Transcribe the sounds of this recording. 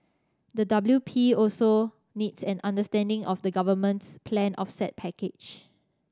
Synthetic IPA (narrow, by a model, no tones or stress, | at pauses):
dədabljupʰiɔlso | nitsɛ̃nãndəstɛ̃ndɪ̃ŋʔɔfdəɡavəmə̃ntspʰlɛ̃nʔɔfsɛt̚pʰɛked͡ʒ